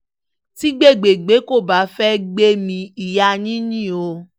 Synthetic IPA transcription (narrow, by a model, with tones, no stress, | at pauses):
ti˦ɡ͡be˦˨ɡ͡be˨ɡ͡be˨˦ko˦˨ba˨˦fɛ˦ɡ͡be˦mĩ˧i˨ja˧nĩ˦nĩ˦˨o˧